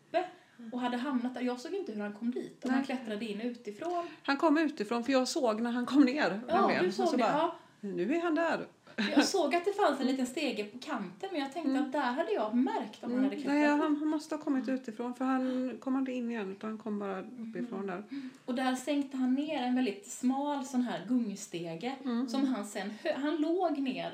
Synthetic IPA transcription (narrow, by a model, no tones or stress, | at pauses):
pːə | ɔɦad̪ːəɦamnat̪̚æɾjɑːɡsoːɡɪnt̪əhɵɾhankʰɔmːd̪iːt̪ɔhanklɛt̪ɾad̪əɪnːʉ̟ːt̪ɪfɾoːnhankʰɔmːʉ̟ːt̪ɪfɾoːnfœɾjɑːɡsoːɡnæɾɦankʰɔmːneːɾɛlsoːɡsɔɑː | nʉ̟ːæɾɦand̪æɾ | jɑɡsoːɡat̪̚d̪ɛfansɛnliːt̪ənst̪eːɡəpʰɔkʰant̪ənmɛnjɑːɡt̪ʰɛŋkt̪əat̪̚d̪æɾɦad̪ːəjɑːmæɾkt̪ɔmanhad̪ːkʰnɛːɦanɦ̪mɔst̪əhɑːkʰɔmːɪt̪ʉ̟ːt̪ɪfɾɔnfœɾhankʰɔmːɪnt̪əɪnːɪjɛnːʉ̟t̪anhankʰɔmːbɑːɾaɵpːɪfɾɔnd̪æɾɔd̪æɾsɛŋkt̪əɦanːeːɾɛnvɛld̪ɪt̪smɑːlsɔnːɦæːɾɡɵŋːst̪eːɡəsɔmɦansɛnːhœhanloːɡneːɾ